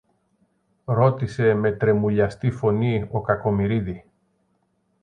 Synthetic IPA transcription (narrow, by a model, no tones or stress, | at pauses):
ɾo̞t̪ise̞me̞t̪ɾe̞muʎɐst̪ifo̞nio̞kɐko̞miɾiði